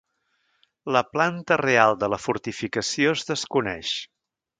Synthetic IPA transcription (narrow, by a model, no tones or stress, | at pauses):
ləplant̪ərealˠd̪ələfuɾt̪ifikəsiozðəskunɛ̰ʃ